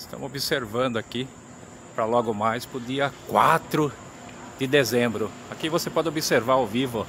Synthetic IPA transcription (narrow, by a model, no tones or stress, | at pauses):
st̪ɐ̰̃w̃obɪseɾvɐ̃nd̪ʊaki | pɾɐlɔɡʊmajspɾʊd̪iɐkwa̰t̪ɾʊ | d̪ɪd̪ezẽbɾʊ | akivosepɔd̪ɪobɪseɾvaɾawvivʊ